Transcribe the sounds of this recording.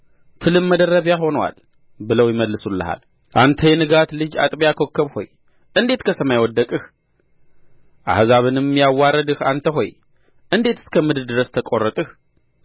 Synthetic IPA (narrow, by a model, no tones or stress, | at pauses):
t̪ʰɨlɨmːəd̪ərːəβjaɦo̞nwa̰l | bɨləwjɪməlːɨsulːə̰ha̰l | ʔant̪ʰəjɛnɨɡat̪lɨd͡ʒa̰t̪ʼbjakʰo̞kʰːəβho̞̰j | ʔɨnd̪e̞t̪kʰəsəmajwɔd̪ːəkʼɨh | ʔa̰hzaβɨnɨmːjawːaɾəd̪ɨhant̪ʰəɦo̞j | ʔɨnd̪e̞t̪ɨ̥skʰəmɨd̪ɨɾd̪ɨɾəst̪ʰəkʼorːət̪ʼɨh